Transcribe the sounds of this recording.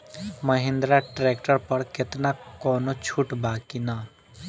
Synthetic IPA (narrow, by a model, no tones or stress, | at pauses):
mɐɦɪ̃nd̪ɾaʈɾeːkʈəɾpɐɾkɪt̪nakɔːnot͡ʃʰuʈbaːkinaː